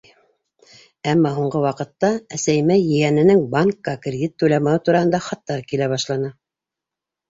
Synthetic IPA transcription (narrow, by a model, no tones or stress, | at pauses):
æmːɑɦuɴɢɤwɑqɤ̆t̪ːɑæsæjmæjɘ̆jænɘ̆nɘŋbaŋkːɑkrʲɪd̪ʲit̪ːʉlæmæwɘt̪uɾɑhɤ̆nd̪ɑχɑt̪ːɑɾkilæβɑʃlˠɑnɤ